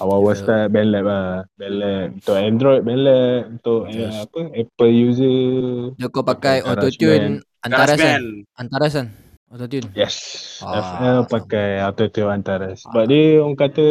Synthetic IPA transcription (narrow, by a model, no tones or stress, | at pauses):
awawəst̪abɛnlɛt̚abɛnlɛt̪̚unt̪ʊʔɛnd̪ɾɔjd̪̚bɛnlɛt̪̚unt̪ʊʔapəɛpəljuzədəkopakajot̪ot̪jun | ant̪aɾasaant̪aɾas̬an | ot̪ot̪junjɛsɛfɛlpakajat̪ot̪unant̪aɾasəbap̚diəɔŋkat̪ə